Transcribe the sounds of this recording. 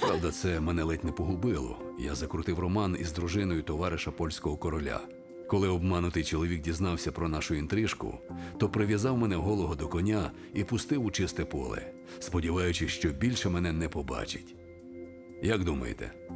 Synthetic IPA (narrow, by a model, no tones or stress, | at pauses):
pɾɑwd̪ɐt̪sɛmɛnɛlˠɛtʲnɛpɔɦʊbɪlˠɔ̰ja̰zɐkɾʊt̪ɪwrɔmɑnḭzd̪ɾʊʒɪnɔjʊt̪ɔʋɑɾɪʃɐpɔlʲsʲkɔɦɔkɔɾɔlʲa̰ | kɔlˠɪɔbmɑnʊt̪ɪjt͡ʃɔlˠɔʋʲik̚dʲiznɑwsʲɐpɾɔnɑʃʊint̪ɾɪʃkʊ̰t̪ɔpɾɪʋʲjɐzɑwmɛnɛɦɔlˠɔɦɔd̪ɔkɔnʲa | ipʊst̪ɪwʊt͡ʃɪst̪ɛpɔ̰lˠɛ̰ | spɔdʲiʋɑjʊt͡ʃɪʃt͡ʃɔbʲilʲʃɛmɛnɛnɛpɔbɑ̰t͡ʃɪ̥tʲ | jɐɡd̪umɐ̰jḛt̪ɛ̰